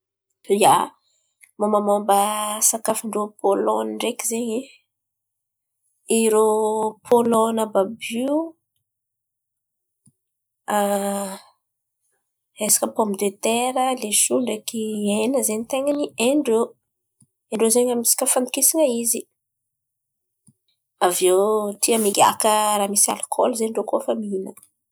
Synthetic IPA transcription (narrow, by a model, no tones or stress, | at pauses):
ja | mombəmombəsakafiɳɖ͡ʐopʰolɔniɳɖ͡ʐekizeɲe | iɾopʰolɔnababu | a | esḁkəpɔmid̪øt̪eɾəleʃuɳɖ͡ʐakienəzenit̪eŋənieɳɖ͡ʐo | eɳɖ͡ʐozeɲamisi̥kʲəfand̪i̥kisiŋəizi | avewt̪ʰiəmiɡʲa̰kəɾaːmisa̰lkʰɔ̰lzeɳɖ͡ʐokofəminə